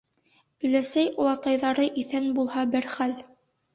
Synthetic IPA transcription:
ɵ̆læsæjulˠɑt̪ɑjðɑɾɤʔiθænbulˠhɑbɘɾχæl

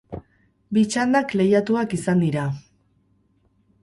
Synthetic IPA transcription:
bit͡ʃand̪akle̞jat̪uakisand̪iɾa

